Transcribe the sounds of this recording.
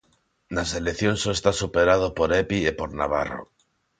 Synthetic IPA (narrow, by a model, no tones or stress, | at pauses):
nase̞lekθjonsoest̪asupeɾað̞opoɾepiepo̞ɾna̰β̞aro̰